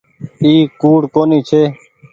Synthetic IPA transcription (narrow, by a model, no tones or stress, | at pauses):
iːkuːɽkoːniːt͡ʃʰeː